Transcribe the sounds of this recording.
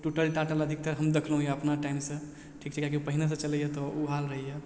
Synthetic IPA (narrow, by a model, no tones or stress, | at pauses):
ʈuʈəlʈaʈələd̪ʱik̚t̪əɾɦəmd̪ekʰləɦũjɛəpnaʈaɪmsə̃ | ʈʰikt͡ʃʰɛkjakiupəɦines̬ə̃t͡ʃələjɛt̪ɔʔuɦalɾəɦijɛ